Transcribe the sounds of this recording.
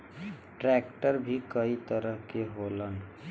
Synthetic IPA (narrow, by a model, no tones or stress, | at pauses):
ʈɾɛːkʈəɾbʱikəit̪əɾəɦkeɦoːlən